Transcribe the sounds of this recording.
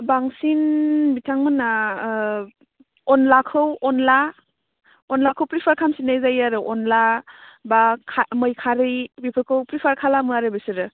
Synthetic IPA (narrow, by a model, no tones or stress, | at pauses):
baŋsinbitʰaŋmɯna | ɔnlakʰɯwɔnla | ɔnlakʰɯwpɾipʰaɾkʰamsinajzajaɾɯʔɔnlabakʰamɯjkʰaɾɯjbipʰɯɾkʰɯwpɾipʰaɾkʰalamɯaɾɯbisɯɾɯ